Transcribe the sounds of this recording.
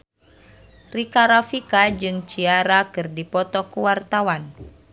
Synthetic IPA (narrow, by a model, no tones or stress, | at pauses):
rikaɾafikad͡ʒɨŋt͡ʃiaɾakɨrdipɔt̪ɔkuwart̪awan